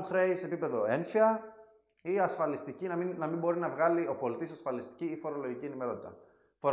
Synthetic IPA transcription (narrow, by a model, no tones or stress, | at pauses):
xɾeisepipe̞ðo̞e̞ɱfiɐ | iɐsfɐlist̪icinɐminɐmimbo̞ɾinɐvɣɐlio̞po̞lit̪isɐsfɐlist̪i̥ciifo̞ɾo̞lo̞ʝicienime̞ɾo̞t̪i̥t̪ɐ̰ | foɾ